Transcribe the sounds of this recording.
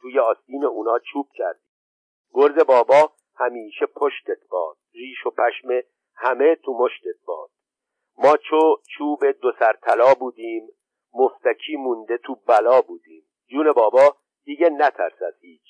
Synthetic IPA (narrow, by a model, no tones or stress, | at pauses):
t̪ʰuːjeɒːst̪iːneuːnɒːt͡ʃʰuːb̥̚cʰæɾd̪iː | ɡoɾze̞bɒːbɒː | hæmiːʃepʰoʃt̪et̪̚ʰb̥ɒ̰ːd̪̥̚riːʃo̞pʰæʃme | hæme̞t̪ʰumo̞ʃt̪et̪̚b̥ɒ̰ːd̪̥ | mɒːt͡ʃʰot͡ʃʰuːbe̞d̪osæɾt̪ʰælɒːbuːd̪iːmː | oft̪æcʰiːmund̪e̞t̪ʰuːbælɒːbuːd̪iːm | d͡ʒuːne̞bɒːbɒː | d̪̥iːɟenæt̪ʰæ̰ɾsæd̪̥hiːt͡ʃʰ